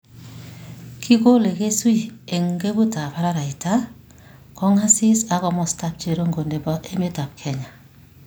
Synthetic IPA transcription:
kʰi˦ko˦le˨ke˦swi˦e˨ŋɡe˦bu˦ta˨pa˦ɾa˦ɾa˨i˨ta˦ | kɔ˦ŋha˦si˦sa˦kɔ˨mɔ˨sta˦p̚t͡ʃe˨ɾo˦ŋɡo˨nde˨bɔ˦ʔe˦me˦ta˨p̚kʰɛ˦ɲa˨

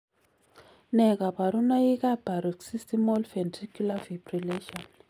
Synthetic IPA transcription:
nɛ˨ka˨ba˨ɾu˦na˦i˦ka˦b̥ʱa˨ɾu˨ksi˦sti˦mɔ˦lfɛ˨ntri˦ku˦la˦vibrileʃɔn

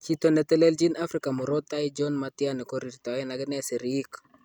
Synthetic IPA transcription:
t͡ʃit̪o˨nɛ˨t̪ɛ˦lɛ˦ld͡ʒi˦na˦fɾi˦ka˨mʊ˨ɾɔ˦t̪ːa˦id͡ʒɔnmat̪ianɛ˨kɔ˦ɾi˨ɾt̪a˨ɛ˦na˨ɡɪ˦nɛ˦sɛ˨ɾi˦k

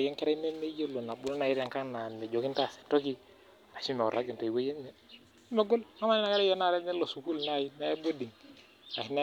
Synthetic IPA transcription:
je˦ŋkɛ˦ɾa˦i˦ne˦me˦jo˦lo˨na˨bu˦lo˦na˨ji˦ɾa˨ŋka˦ŋna˨mɛ˨d͡ʒo˨ki˦nta˦˨se̥˨to˦k̬i˦ | na˨t͡ʃi˦mɛ̰˨ɾa̰˨˦ɡi˨nto˨i˨we˦je˦nmɛ˨˦ | me˨ɡo˦lma˦ma˦ni˦na˨ka˦ɾɛ˦jɔ˦na˦˨ɾɛ˦mɛ˦lo˨su˨ku˦lna˦˨ji˦na˦ɛ˦bo˦di˨ŋ | na˨hi˨n˦

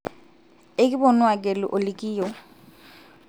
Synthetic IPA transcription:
ɪ˦kʼɪ˦bɔ˨nwa˨kʼe˨lɪ̰ʔo˨lɪ˨kʼiː˦jɔ˨

